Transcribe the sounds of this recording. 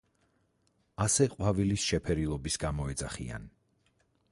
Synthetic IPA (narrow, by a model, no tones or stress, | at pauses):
asɛqʼwavilisʃɛpʰɛɾilˠɔbisɡ̥amɔɛd̪zaχḭa̰n